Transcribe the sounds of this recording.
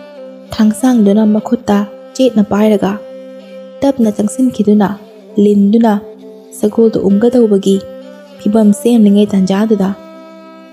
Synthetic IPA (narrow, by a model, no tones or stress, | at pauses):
tʰaŋsaŋdunɐmɐkʰotːɐt͡ʃet̚nɐpajɾɐɡɐ | tɐp̚nɐt͡ʃɐŋsinkʰidunɐ | lindunɐ | sɐɡoldɐ̰ʔumɡɐdɐwbɐɡi | pʰibɐmsenniŋɐjtand͡ʒadudɐ